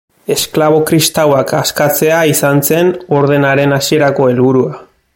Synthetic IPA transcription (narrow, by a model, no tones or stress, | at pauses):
e̞sklaβ̞o̞kɾist̪awakʰaskat͡se̞aisanse̞no̞ɾð̞e̞naɾe̞nasie̞ɾako̞e̞lβuɾua